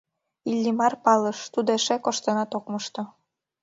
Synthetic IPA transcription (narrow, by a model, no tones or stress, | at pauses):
ilʲːimɑrpɑlɤʃt̪ud̪oeʃekoʃt̪ɤ̆nɑt̪okmɤʃt̪ŏ